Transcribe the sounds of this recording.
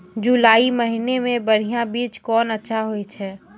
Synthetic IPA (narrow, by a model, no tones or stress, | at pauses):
d͡ʒulaːiməɦinemẽbɐɽ̤ijãbiːt͡ʃkɔːnətːʃʰaɦoet͡ʃʰɛː